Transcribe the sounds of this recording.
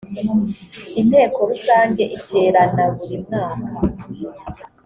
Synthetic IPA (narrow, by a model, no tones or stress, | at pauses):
in̥he̞ːko̞ɾusaːɲɟe̞ʔitʰeːɾanaβuɾimŋaːkʰa